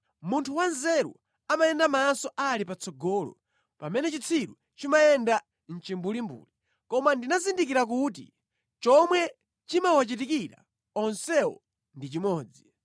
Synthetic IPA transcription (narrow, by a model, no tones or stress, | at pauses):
muntʰuwanzɛɾṵ | amajɛndamaːnsɔʔalipat͡sʰɔɡɔːlɔ̰ | pamɛnɛt͡ʃit͡sʰiɾu | t͡ʃimajɛnda | n̩t͡ʃimbulimbṵːli | kɔmandinazindik̬iɾak̬ut̬ḭ | t͡ʃɔmwɛ | t͡ʃimawat͡ʃit̬ikiɾa̰ | ɔnsɛwɔ̰ | ndit͡ʃimɔːd͡zi